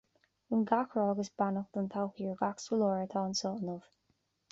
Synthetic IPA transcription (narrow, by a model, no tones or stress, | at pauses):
ənɡakɹɔːɡəsbanəxd̪̥ʊnt̪ʰawxiːɹɡaksəlɔːɹət̪ʰɑːnsɔːnʊv̥